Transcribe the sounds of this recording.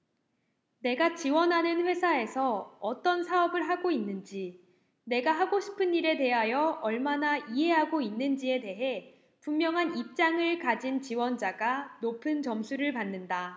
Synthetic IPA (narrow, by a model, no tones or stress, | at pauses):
ne̞ɡat͡ɕiwʌnɦanɯnɸwe̞sʰae̞sʰʌːt͈ʌnsʰaʌbɯɭɦaɡoinːɯnd͡ʑi | ne̞ɡaɦaɡoɕʰi̥pʰɯniɾe̞te̞ɦajʌʌɭmanaiɦe̞ɦaɡoinːɯnd͡ʑie̞de̞ɦe̞ | pummjʌŋɦanip̚t͡ɕ͈aŋɯɭkad͡ʑint͡ɕiwʌnd͡ʑaɡanopʰɯnt͡ɕʌmsʰuɾɯɭpanːɯnda